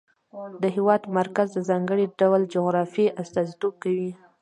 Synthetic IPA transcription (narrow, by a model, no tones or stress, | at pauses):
d̪əɦewɑd̪maɾkazd̪əzɑŋɡəɽiɖawld͡ʒʊɣɾɑfiʔast̪ɑzit̪ob̚kawi